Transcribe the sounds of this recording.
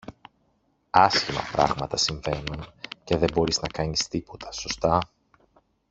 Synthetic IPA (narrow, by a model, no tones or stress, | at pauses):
ɐsçimɐ̰pɾɐ̰ɣmɐt̪ɐsiɱve̞nunce̞ðe̞bo̞ɾiznɐkɐɲist̪ipo̞t̪ʰɐ̥so̞st̪ɐ